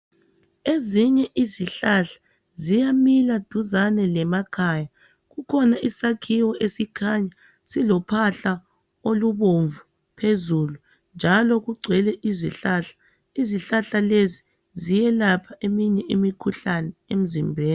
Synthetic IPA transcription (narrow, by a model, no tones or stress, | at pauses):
eziɲɛʔiziɬaɬḁ | zijamilad̥ʱuzanɛlɛmakʰaja | ɣukʰɔnaʔisakʰiwɔesikʰaɲa | silɔpʰaɬa | oluβoɱvu | pʰezulu | nd͡ʒʱalɔɣuɡ͡ǀʱwɛlɛʔiziɬaɬḁ | iziɬaɬalezi | zijɛlapʰaʔemiɲɛʔimikʰuɬanɛem̩zimbʱeːni